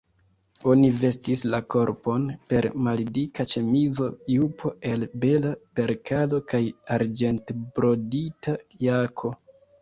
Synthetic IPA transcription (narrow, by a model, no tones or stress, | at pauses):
o̞nive̞stislako̞ɾpo̞npe̞ɾmalidikat͡ʃe̞mizo̞jupʰo̞e̞lbe̞lape̞ɾkalo̞kajaɾd͡ʒe̞ntbɾo̞ditajakʰo̞